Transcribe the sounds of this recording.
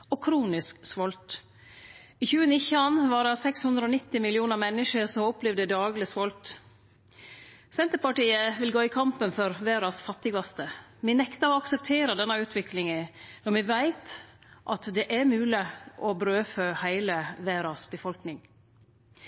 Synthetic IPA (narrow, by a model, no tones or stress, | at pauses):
ɔkʰɾuːnɪsksʋɔlt̪ | ɪçʉːənɪçəɑnʋɑɖɛsɛkshʉnd̪ɾəonɪt̪ːɪmɪlɪuːnəɾmɛnːəʃəɾsɔmɔplɛʋd̪əd̪ɑːɡlɪsʋɔlt̪ | sɛnt̪əɾpɑʈiːəʋɪlɡoːɪkʰɑmpənfɔɾʋeːɾɑsfɑt̪ːɪɡɑst̪əmɛnɛkt̪əɾɔɑksɛp̚t̪ʰeːɾəd̪ɛnːɑʉːt̪ʰʋɪklɪŋənɔɾmɛʋæɪt̪ | ʔɑt̪d̪ɛʔæɾmʉːlɪʔɔbɾøːføːhæɪləʋeːɾɑsbəfɔlknɪŋ